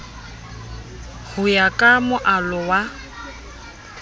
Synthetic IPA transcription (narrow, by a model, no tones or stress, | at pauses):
hʊjakʼamʊʔalʊwa